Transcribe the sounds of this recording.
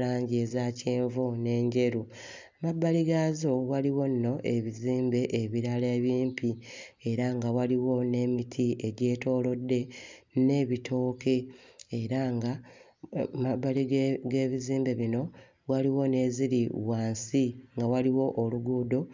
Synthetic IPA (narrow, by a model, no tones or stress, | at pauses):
laːɲɟezaceːɱvone̞ːɲɟe̞ɾu | amabːaliɡaːzo̞waliwo̞nːo̞ʔe̞βiziːmbe̞ʔeβiɾaleβjiːmpʰi | e̞ɾaŋɡawaliwo̞ne̞ːmitʰiʔe̞ɟe̞ːto̞ːlo̞dːe̞ne̞βitʰo̞ːkʰe̞ːɾaŋɡa | mabːaliɡe̞ːβiziːmbe̞βino̞ | waliwo̞ne̞ːziɾiwaːnsiŋɡawaliwo̞ʔːluɡuːdo̞